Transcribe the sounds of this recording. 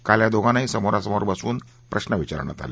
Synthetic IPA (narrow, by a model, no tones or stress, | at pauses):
kaljad̪oɡʱãnaɦisəmoɾasəmoɾbəsuːn | pɾəɕnəʋit͡ɕa̰ɾə̰ɳ̃a̰t̪a̰le